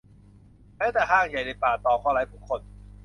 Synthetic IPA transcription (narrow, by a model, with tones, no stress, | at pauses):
mɛː˨˦˥t̪ɛː˨˩ɦaː˧˥˩ŋja˨˩jde˧˩paː˨˩t̪ɔː˨˩kʰwaː˧˥˩la˨˥jpʰuː˨˧˩kʰo˧n